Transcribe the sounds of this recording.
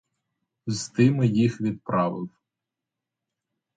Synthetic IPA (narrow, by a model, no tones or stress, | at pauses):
zt̪ɪmɪjixʋʲid̪̚pɾɑʋɪw